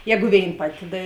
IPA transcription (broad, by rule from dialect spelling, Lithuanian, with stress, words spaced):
ˈjæːɡʊ ˈʋʲeːɪn ˈpɑːtʲɪ ˈdɐ